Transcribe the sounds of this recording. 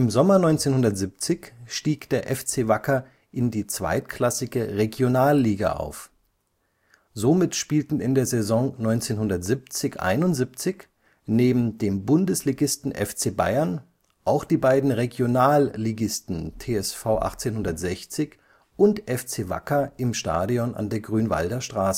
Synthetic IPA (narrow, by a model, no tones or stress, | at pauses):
ʔɪmzɔmɐnɔʏnt͡seːnhʊndɐtz̥ɪp̚t͡sɪçʃtiːkd̥eːɐʔɛft͡seːvakɐ | ʔɪndiːt͡sv̥a̰ɪtkʰl̥asɪɡəʁeɡjonaːlːiːɡa̰ʔa̰ʊf | zoːmɪtʃpiːltn̩ɪndeːɐzezɔŋnɔʏnt͡seːnhʊndɐtz̥ip̚t͡sɪçʔa̰ɪnʊntz̥ip̚t͡sɪç | neːbm̩deːmbʊndəsliːɡɪstn̩ʔɛ̰ft͡seːba̰ɪɐn | ʔaʊxd̥iːbaɪdn̩ʁeɡjonaːlːiːɡɪstn̩tʰeːɛsfaʊʔa̰χt͡seːnhʊndɐtz̥ɛçt͡sɪç | ʔʊntʔɛft͡seːva̰kɐʔɪmʃta̰ːdiɔna̰ndeːɐɡʁyːnva̰ldɐʃtʁ̥aːsə̥